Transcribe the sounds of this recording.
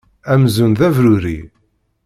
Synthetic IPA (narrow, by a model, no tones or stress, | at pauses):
æmzunðævɾʊɾḭ